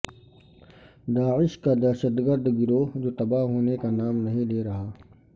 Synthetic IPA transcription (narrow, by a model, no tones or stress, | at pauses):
d̪aːɪʃkad̪ɐːʃət̪ɡəɾd̪ɡɪɾod͡ʒoːt̪ɐbaɦoːnekanaːmnɐɦĩleːɾɐɦaː